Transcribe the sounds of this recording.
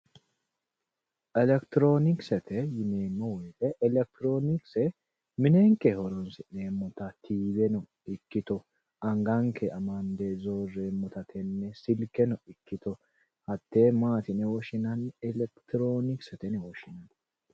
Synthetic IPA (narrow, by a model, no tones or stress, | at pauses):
ʔɛlɛkt̪ɪɾo̞ːnɪksɛt̪ɛjɪneːmːɐwɔjt̪ɛɛlɛk̚t̪ɪɾo̞ːnɪksɛ | mɪneːŋkɛhɔɾɔnsɪneːmːɔt̪ɐt̪ʰiːbɛnɔ | ɪkːɪt̪ɔ | ɐŋɡaŋkʰɛɐmɐnd̪eːzoːrːeːmːɔt̪ɐt̪ʰɛnːɛsɪlkɛnɔɪkːɪt̪ɔ | hɐt̪ːeːmaːt̪ɪnɛwɔʃɪnɐnɛlɛkt̪ɪɾoːnɪksɛt̪ɛnɛwɔʃɪnɐn